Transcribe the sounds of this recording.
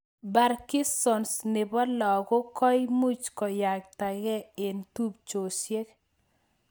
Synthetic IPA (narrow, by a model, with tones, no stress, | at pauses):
ba˨ɾki˦sɔ˨nsnɪ˨bɔ˦lɔ˨kʊ˦kɔ˦jmu˦t͡ʃkɔ˨ja˨kta˨ɡɛ˦e˨ntu˦bt͡ʃo˨sje˦k